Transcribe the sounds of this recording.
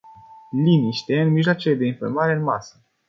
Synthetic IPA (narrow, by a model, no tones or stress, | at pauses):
liniʃt̪eɨnmiʃʒloat͡ʃeled̪e̞infḭrmaɾe̞ɨnmasə